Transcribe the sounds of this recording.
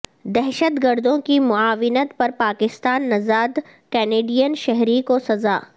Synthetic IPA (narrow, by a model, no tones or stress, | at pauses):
d̪ɛɦʃət̪ɡəɾd̪õkimʊaːʋɪnət̪pɐɾpaːkɪst̪aːnːɐzaːd̪ | kɛːneːɖijənʃɛɦɾikosɐzaː